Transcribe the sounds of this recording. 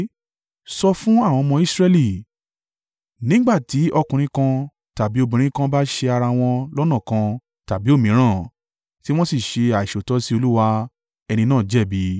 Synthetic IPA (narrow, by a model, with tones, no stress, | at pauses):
sɔ˧fũ˦a˦˨w̃ɔ̃˧mɔ̃˧i˦˨sɾɛ˧li˦˨ | nĩ˦ɡ͡ba˦˨ti˨˦ɔ˧kũ˧ɾ̃ĩ˧˦kã˧ | ta˨bi˨˦o˧˦bĩ˨ɾ̃ĩ˨˦kã˦ba˦ʃe˧a˧ɾa˧w̃ɔ̃˧lɔ˦nã˦˨kã˧ | ta˨bi˨˦o˦˨mĩ˨˦ɾ̃ã˦˨ | ti˦w̃ɔ̃˦si˦˨ʃe˧a˨i˨ʃo˨tɔ˨˦si˦o˧lu˦wa˧ | ɛ˧nĩ˧nãː˦˨d͡ʒɛ˦˨bi˨˦